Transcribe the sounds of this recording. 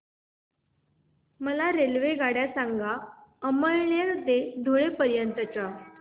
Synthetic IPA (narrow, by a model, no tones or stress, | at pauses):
məlaɾelʋeɡaɽjasaŋɡaəməɭlaɾd̪ed̪ʱoɭepəɾjənt̪ət͡ɕa